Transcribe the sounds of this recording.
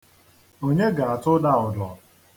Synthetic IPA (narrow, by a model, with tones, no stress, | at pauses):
o˦ɲe˦ɡa˨a˨tʊ˦da˦˨ʊ˨dɔ˨